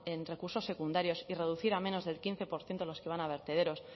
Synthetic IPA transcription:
enre̞kuɾso̞sːe̞kund̪aɾjo̞sire̞ðuθiɾamẽno̞zðe̞lkin̟θe̞po̞ɾθje̞nt̪o̞lo̞skeβ̞anaβ̞e̞ɾt̪e̞ð̞e̞ɾo̞s

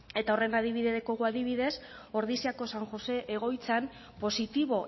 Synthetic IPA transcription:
e̞t̪aore̞naðiβiðeko̞ɣuaðiβ̞iðe̞so̞ɾðisiako̞saŋʝo̞se̞ʔeɣ̞o̞jt͡san | po̞sit̪iβ̞o̞

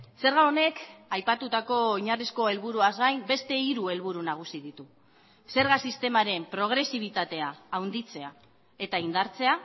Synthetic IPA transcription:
se̞ɾɣaone̞kajpat̪ut̪ako̞iɲarisko̞e̞lβuɾuazɣajmbe̞st̪e̞iɾue̞lβuɾunaɣ̞usið̞it̪u | se̞ɾɣasist̪e̞maɾe̞mpɾo̞ɣ̞ɾe̞siβ̞it̪at̪e̞aːwnd̪it͡se̞a | e̞t̪aind̪aɾt͡se̞a

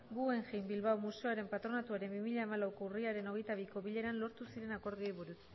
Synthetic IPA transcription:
ɡue̞ŋʝejmbilβawmuse̞oaɾe̞mpat̪ɾo̞nat̪uaɾe̞mbimiʎaemalawkouriaɾe̞no̞ɣ̞e̞jt̪aβ̞iko̞βiʎe̞ɾanlo̞ɾt̪usiɾe̞nako̞ɾɣeβuɾus

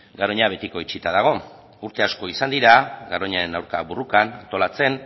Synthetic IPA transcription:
ɡaɾoɲaβ̞e̞t̪iko̞it͡ʃit̪að̞aɣ̞o̞ | uɾt̪e̞asko̞isand̪iɾaɡaɾoɲaɾe̞nawɾkaβurukanant̪o̞lat͡se̞n

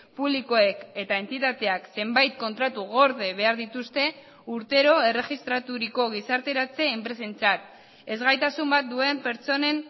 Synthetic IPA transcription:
puβliko̞e̞ke̞t̪ae̞nt̪it̪at̪e̞akse̞mbajt̪̚ko̞nt̪ɾat̪uɣ̞o̞ɾðe̞βe̞aɾðit̪ust̪e̞ | uɾt̪e̞ɾo̞e̞re̞xist̪ɾat̪uɾiko̞ɣ̞isaɾt̪e̞ɾat͡se̞ːmpɾe̞sent͡sat̪ | e̞zɣajt̪asumbat̪̚d̪ue̞mpe̞ɾt͡so̞ne̞n

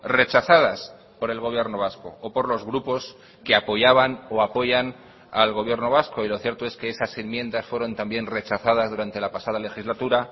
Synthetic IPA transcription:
re̞t͡ʃaθað̞as | po̞ɾe̞lɣ̞o̞β̞je̞ɾno̞β̞asko̞̰opo̞ɾlo̞zɣɾupo̞s | keapo̞ʝaβano̞apo̞ʝan | alɣo̞β̞je̞ɾno̞β̞asko̞ilo̞θje̞ɾt̪o̞e̞skeesase̞nmjẽ̞nd̪asfwe̞ɾo̞nt̪ambje̞nre̞t͡ʃaθað̞azðuɾant̪e̞lapasað̞ale̞xizlat̪uɾa

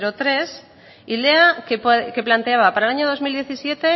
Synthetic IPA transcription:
ɾot̪ɾe̞s | ileakepke̞plant̪eaβapaɾaelaɲoð̞o̞zmild̪je̞θisje̞t̪e̞

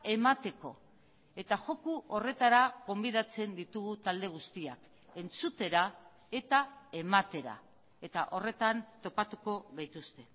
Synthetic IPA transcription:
e̞mat̪e̞ko̞̰ | e̞t̪aʝo̞kuʔo̞re̞t̪aɾaɣo̞mbiðat͡se̞nd̪it̪uɣut̪ald̪e̞ɣ̞ust̪iak | e̞nt͡sut̪e̞ɾa | e̞t̪ae̞mat̪e̞ɾa̰ | e̞t̪aʔo̞re̞t̪ant̪o̞pat̪uko̞ɣajt̪ust̪e̞

